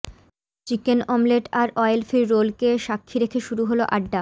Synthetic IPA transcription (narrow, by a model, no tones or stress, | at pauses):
t͡ɕikenɔmleʈaɾɔjlfiɾːolkeʃakʰːiɾekʰeʃuɾuɦoloʔaɖːa